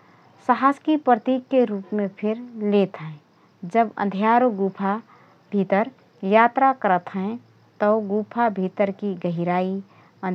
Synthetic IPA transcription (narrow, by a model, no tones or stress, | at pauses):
səɦaːskipɾət̪iːɡkeɾuːpmẽpʰɪɾleːt̪ɦɛ̃ | d͡ʒəbə̰̃nd̪ʱjaːɾoɡuːpʰa | b̥ʱit̪əɾ | jaːt̪ɾakəɾət̪ɦɛ̃ | t̪əɡuːpʰabʱit̪əɾkiɡəɦiɾaːi | ə̃n